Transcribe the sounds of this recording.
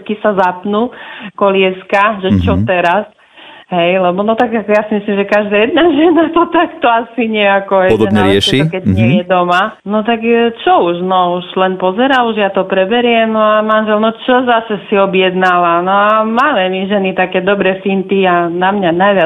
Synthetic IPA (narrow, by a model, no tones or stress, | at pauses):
kisazapnukɔlɪɛskaʒɛt͡ʃɔt̪ɛɾas | ɦɛjlɛbɔnɔt̪aɡakjasimislimʒɛkaʒd̪aːjɛd̪̚naʒɛnat̪ɔt̪akt̪ɔasiɲɪɛakɔɦɛɔd̪ɲɛɾɪɛʃɛikɛɟɲɪɛjɛd̪ɔmanɔt̪akt͡ʃɔuʒnɔuʃlɛnpɔzɛɾauʒjat̪ɔpɾɛbɛɾɪɛmnɔamanʒɛlnɔt͡ʃɔzasɛsiɔbjɛd̪nalanɔamalɛmiʒɛnit̪akɛːd̪ɔbɾɛfint̪ianamɲanajʋɪa